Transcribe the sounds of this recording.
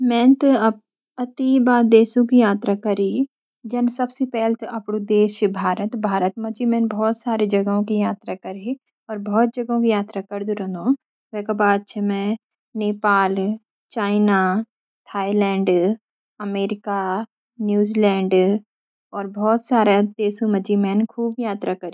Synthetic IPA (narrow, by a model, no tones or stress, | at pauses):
mɛ̃ːnt̪ɐb | ɐt̪ibaːɾd̪eːʃõkijaːt̪ɾakɐɾi | d͡ʒɐnsɐbsepɛɦlt̪ʔɐpɽud̪eːʃbʱaːɾət̪bʱaːɾət̪mɐt͡ʃimɛ̃ːnbɔːt̪saːɾed͡ʒɐɡɦõkijaːt̪ɾakɐɾi | ɔːɾbɔːt̪̚d͡ʒɐɡõkijaːt̪ɾakɐɾd̪uɾɐ̃nd̪õ | ʋɛ̃ːkabaːd̪̚t͡ʃʰemɛ̃ | neːpaːl | t͡ʃaːɪna | t̪ʰaːilɛ̃ːɳɖ | ɐmeːɾɪka | njuːzilɛ̃ːɳɖ | ɔːɾbɔːt̪saːɾat̪eːsũmɐd͡ʒimɛːnkʰuːbjaːt̪ɾakɐɾi